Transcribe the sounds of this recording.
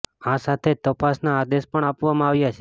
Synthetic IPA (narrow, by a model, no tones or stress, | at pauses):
ãsat̪ʰet̪əpasnaːd̪espəɳapʋamãaʋjat͡ʃʰe